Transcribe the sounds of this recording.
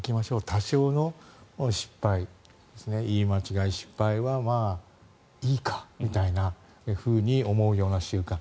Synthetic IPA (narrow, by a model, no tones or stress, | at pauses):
kʲimaɕo̞ːt̪ʰaɕo̞ːno̞ɕi̥pːai | d̪̥e̞sɨne̞iːmat͡ɕiɡaiɕi̥pːaiβamaː | iːkʰḁmmʲit̪aina | eɸɯ̟ːɲ̟io̞mo̞ɯ̟jo̞ːnaɕɨːkã